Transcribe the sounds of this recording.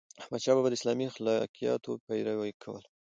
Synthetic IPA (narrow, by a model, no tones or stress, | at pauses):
ahmad̪ʃɑbabad̪əɪslɑmixlɑ̰kijɑ̰t̪opajɾawajkʰawə̰l